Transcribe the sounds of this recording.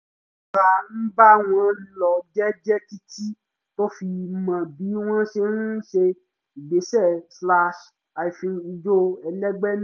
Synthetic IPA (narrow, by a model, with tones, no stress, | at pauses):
ka˨˧n̩˦ba˦w̃ɔ̃˦lɔ˧d͡ʒɛ˦d͡ʒɛ˦ki˦ti˦ | to˦fi˧mã˨bi˨˦w̃ɔ̃˦ʃe˧nũ˦ʃe˧ | i˨ɡ͡be˨˦ʃɛ˦˨sla˧ʃ | a˨i˨fĩ˧i˧d͡ʒo˦˧ɛ˧lɛ˦ɡ͡bɛ˦ñ˦